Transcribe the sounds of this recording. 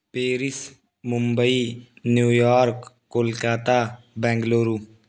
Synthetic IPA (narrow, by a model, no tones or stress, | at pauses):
peːɾɪs | mʊmbəinjuːjaːɾkː | oːlkaːt̪aː | bɛ̃ːŋɡloːɾuː